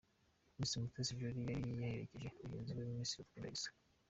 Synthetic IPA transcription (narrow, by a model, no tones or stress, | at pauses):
minsimutesivjoɾijaɾijjaheɾḛciʒe̞uɟeːnziwemuminsiɾutkuɾa̰isḁ